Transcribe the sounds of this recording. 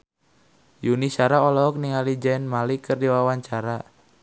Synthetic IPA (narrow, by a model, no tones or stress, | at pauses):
junisaɾaɔlɔɔk̚niŋalid͡ʒaɛnmalikɨrdiwawaɲt͡ʃaɾa